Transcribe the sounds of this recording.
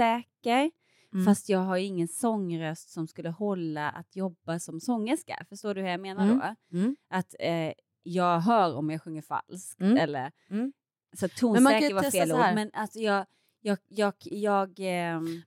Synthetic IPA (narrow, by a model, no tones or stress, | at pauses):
sɛːkəɾ | fast̪jɑːɡɦajɵɪŋːənsɔŋːɾœst̪sɔmskɵlːəhɔlːaʔa̰t̪ʰjɔbːasɔmsɔŋːəʂka̰fœʂtoːdɵvaɾjameːnadɔ̰ʔat̪ɛ | jɑːɡɦœːɾɔmjɑɡɧɵŋːəɾfa̰lskt̪ɛlːə̰ɾ | sɔt̪ʰːuːnsɛːkkəɾvafeːluːmɛnʔalsɔjɑːɡ | jɑːjɑːɡjɑːɡ